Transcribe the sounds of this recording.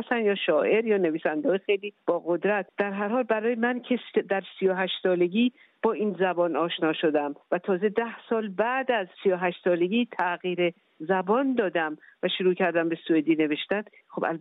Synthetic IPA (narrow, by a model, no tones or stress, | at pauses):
st̪ænjɒːʃɒːʔe̞ɾjɒːne̞viːsænd̪eɒːjxejliːb̥ɒːɣo̞d̪ɾæt̪̚ʰd̪̥æɾɦæɾhɒːlbæɾɒːjemæncʰesd̪æɾsijoɦæʃt̪sɒːle̞ɟiː | b̥ɒːiːnzæbɒːnɒːʃnɒːʃod̪æmvæt̪ʰɒːze̞d̪æhsɒːlbæd̪æzsijoɦæʃt̪sɒːle̞ɟiːt̪ʰæɣiːɾe̞ | zæbɒːnd̪ɒːd̪æmvæʃuɾuːcʰæɾd̪æmbe̞sued̪iːne̞ve̞ʃt̪æn | xobæ̰l